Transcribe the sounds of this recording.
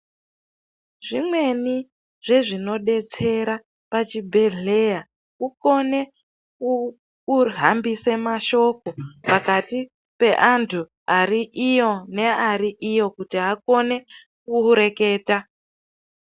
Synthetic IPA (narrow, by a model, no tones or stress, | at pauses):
ʐimwe̞ni | ʐ̥e̞ʐino̞ɗe̞t͡se̞ɾa | pat͡ʃibʱe̞ɮe̞ja | kuko̞ne̞ | u | uɦambise̞maʃo̞ko̞pakati | pe̞ʔantʰu | ariʔijo̞ne̞aɾiʔijo̞kutiɦako̞ne̞ | kuuɾe̞ke̞ːta